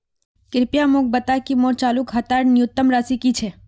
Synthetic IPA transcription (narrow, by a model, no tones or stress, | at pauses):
kɪɾpjamok̚bɐt̪akimoːɾt͡ʃaːlukɦɐt̪aːɾnijʊt̪ːəmɾaːsikit͡ʃʰɛː